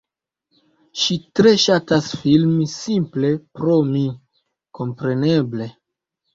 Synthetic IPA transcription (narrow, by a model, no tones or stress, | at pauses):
ʃitɾe̞ʃatasfilmisimple̞pɾomi | ko̞mpɾe̞ne̞ble̞